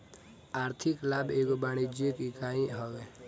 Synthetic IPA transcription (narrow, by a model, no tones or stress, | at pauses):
aːɾt̪ʰɪklaːbeːkobaːɽ̃id͡ʒekikaːĩɦɔɡɛ